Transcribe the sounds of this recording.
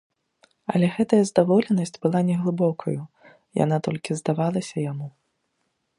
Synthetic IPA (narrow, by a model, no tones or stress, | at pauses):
ɐ̰lʲɛɣɛt̪ɐjɐzd̪avɔlʲɛnɐsʲt͡sʲbɨlˠanʲɛɣlˠɨbɔkʰɐ̰ju | ja̰n̪at̪ɔlʲkʲizd̪avalˠɐsʲɐjamu